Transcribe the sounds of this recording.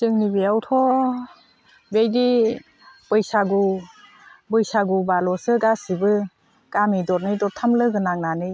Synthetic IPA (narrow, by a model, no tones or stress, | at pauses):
sɯŋnibiawtʰɔ | bejdi | pɯjsaɡu | bɯjsaɡubalɔsɯɡasibɯ | ɡ̥amidɔɾnɯjdɔɾtʰamlɯɡɯnaŋnanɯ